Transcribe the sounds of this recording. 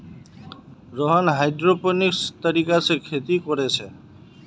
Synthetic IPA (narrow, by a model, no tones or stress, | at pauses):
ɾɔɦɔnɦajd̪ɾopɔnikst̪ɔɾikasekʰet̪ikɔɾet͡ʃʰe